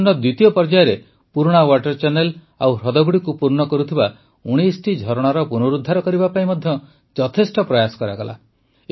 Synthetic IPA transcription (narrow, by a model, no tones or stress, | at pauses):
nɔd̪wit̪ijɔpɔɾd͡ʒajɔɾe | puɾɽ̃awaʈɔɾt͡ʃanel | a̰wɾɔd̪ɔɡuɽikupuɾɳɔkɔɾut̪ʰiba | uɽ̃isʈid͡ʒʱɔɾɔɽ̃aɾɔpunuɾud̪ʱːaɾɔkɔɾibapaĩmɔd̪ʱjɔ | d͡ʒɔt̪ʰesʈɔpɾɔjasɔ̥kɔɾaɡɔla̰